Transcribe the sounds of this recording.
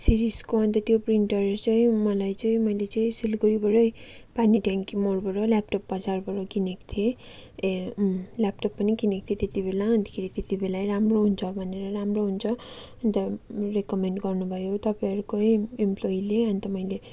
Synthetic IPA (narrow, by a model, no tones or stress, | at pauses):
siɾiskoʌnt̪ʌt̪jopriɳʈʌrt͡sʌĩmʌlajt͡sʌĩmʌjlet͡sʌĩsilɡuɾibʌɾʌjpaniʈaŋkimorbʌɾʌlap̚ʈopːʌd͡zarbʌɾokinekt̪ʰie | lap̚ʈʌpːʌnikinek̚t̪ʰjet̪et̪ibelaɦʌnt̪ʌ̥kʰeɾit̪et̪ibelajɾamroɦunt͡sʰʌbʱʌneɾʌɾamroɦunt͡sʰʌʌnit̪ʌrekʌmeɳʈɡʌrnubʱʌjot̪ʌpaʌɾukoiemplojileʌnit̪ʌmʌĩle